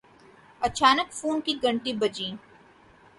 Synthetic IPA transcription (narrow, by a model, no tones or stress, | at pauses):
ɐt͡ʃaːnəkfuːnkiɡɐ̃ɳʈibɐd͡ʒĩː